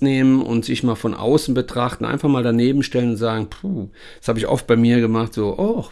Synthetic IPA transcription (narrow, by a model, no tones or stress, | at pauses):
neːmənʔʊ̰ntz̥ɪçmaːlfɔnʔa̰ʊsn̩bətʁ̥aχtn̩ʔa̰ɪnfaχmaːldaneːbm̩ʃtɛlənʊntz̥aːɡŋ̩pʰu̥ː | ashaːbəɪçʔɔ̰ft̚b̥aɪmiːɐɡəmaχtz̥oːʔɔ